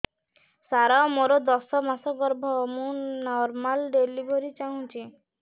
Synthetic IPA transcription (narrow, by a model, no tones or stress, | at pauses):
saɾaɔmoɾɔd̪ɔsɔmasɔɡɔɾbʱɔmũnɔɾmalɖelibʱɔɾit͡ʃaɦũt͡ʃʰi